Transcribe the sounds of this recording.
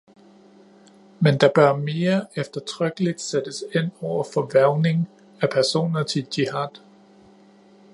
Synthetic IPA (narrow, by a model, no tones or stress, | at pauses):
mend̥ɑ̈b̥ɶɐme̝ːɐefd̥ɐt͡sʰʁœɡ̥əlid̥sed̥əse̝n̰ɒʊ̰ɐfɒ̽ʋæɐʊne̝ŋ | æpʰæɐso̝̰ːnɐt͡sʰe̝ld̥ihɑd̥